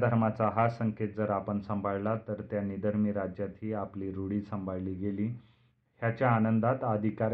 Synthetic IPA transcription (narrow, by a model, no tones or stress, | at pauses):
d̪ʱəɾmat͡saɦasəŋket̪̚d͡zəɾapəɳsəmbʱaɭlat̪əɾt̪janid̪ʱəɾmiːɾad͡ʑjat̪ʰiːapliːɾoɽiːsəmbʱaɭliːɡeliː | hjat͡ɕjaːnənd̪at̪əd̪ʱikaɾ